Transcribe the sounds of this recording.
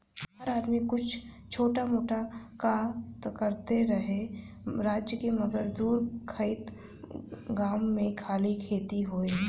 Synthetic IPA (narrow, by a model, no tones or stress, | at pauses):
ɦəɾaːd̪mikʊt͡ʃʰ | t͡ʃʰoːʈamoːʈakat̪kəɾt̪eɾəɦe | ɾaːd͡ʒjəkemɐɡəɾd̪uːɾkʰəɪt̪ | ɡaːmːẽkʰaːlikʰeːt̪iɦoːeː